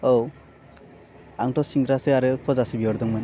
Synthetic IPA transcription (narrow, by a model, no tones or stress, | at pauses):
ow | aŋtɔsiŋɡɾasɯaɾɯkʰɔzasibiɔɾd̪ɔŋmɯn